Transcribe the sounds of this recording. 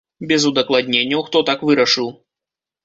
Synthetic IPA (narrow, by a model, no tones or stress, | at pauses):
bʲɛzud̪ɐklˠad̪ʲnʲenʲːɐwxt̪ɔt̪akvɨɾɐʂɨw